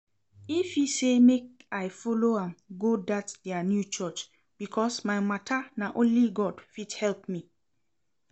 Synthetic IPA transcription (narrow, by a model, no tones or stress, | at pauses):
ifjisemek̚ajfɔloãmɡodatdɛənjut͡ʃɔt͡ʃ | b̥ikʰɔsmaɪmatʰanaʔõnliɡɔdfidhɛlpmi